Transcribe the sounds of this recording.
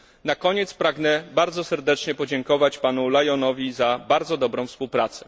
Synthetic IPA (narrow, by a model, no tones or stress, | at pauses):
nakɔɲɛt̪spɾaɡnɛbaɾd̪zɔsɛɾd̪ɛt͡ʂɲɛpɔd͡ʑɛŋkɔvat͡ɕpanulajɔnɔvʲizabaɾd̪zɔd̪ɔbɾɔ̃w̃fspuwpɾat̪sɛ̥